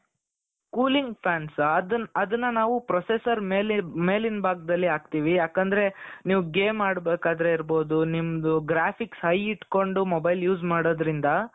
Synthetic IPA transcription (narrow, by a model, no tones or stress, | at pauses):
kuːliŋɡpʰjaːnsɐd̪ɐnɐd̪ɐnːɐnaːʋupɾɔsesɐɾmeːlime̞ːlinbaːɡ̚d̪ɐlːiaːɡ̚t̪iːʋijaːkɐnd̪ɐɾe̞niːʋuɡeːmːaːɽbeːkaːd̪ɾeiɾbo̞ːd̪unimɐd̪uɡɾaːpʰiksɦɐjiʈko̞ɳɖumobɐjljuːd͡ʒmaːɽoːd̪ɐɾind̪ɐ